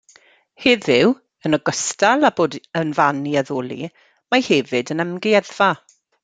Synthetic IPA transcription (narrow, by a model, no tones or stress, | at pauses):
heðɪw | ənɔɡəstalˠaboːdənvaniaðoːlˠḭ | mahɛvɪdənəmɡɪɛðv̥a